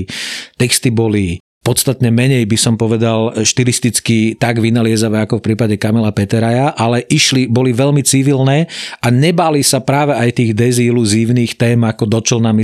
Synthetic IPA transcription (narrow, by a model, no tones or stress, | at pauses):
t̪ɛkst̪ibɔli | pɔt̪st̪at̪ɲɛmɛɲɛjbisɔmpɔʋɛd̪alʃt̪ilist̪it͡skit̪aɡʋinalɪɛzaʋɛːakɔfpɾiːpaɟɛkamɛlapɛt̪ɛɾajaʔalɛʔiʃlibɔliʋɛʎmit͡siʋilnɛːʔaɲɛbaːlisapɾaːʋɛajt̪iːɣd̪ɛziluziːʊniːxt̪ɛːmakɔd̪ɔt͡ʃɔlnami